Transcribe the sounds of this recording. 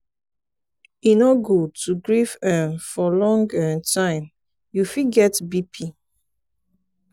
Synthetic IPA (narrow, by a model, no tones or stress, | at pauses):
inɔɡud̚tʰuɡɹivɛ̃nfɔlɔ̃ŋɡɛ̃ntʰãɪ̃m | jufiɡɛtbipʰi